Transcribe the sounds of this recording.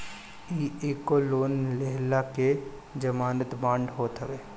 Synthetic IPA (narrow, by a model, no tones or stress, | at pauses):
iːeːkoloːnleɦlake | d͡ʒəmaːnət̪mãːɳɖɦoːt̪ɦəʋeː